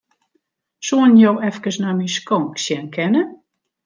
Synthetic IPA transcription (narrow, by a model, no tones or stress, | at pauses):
suənjowɛfkəsnɔmiskɔŋksjɛnkʰɛnə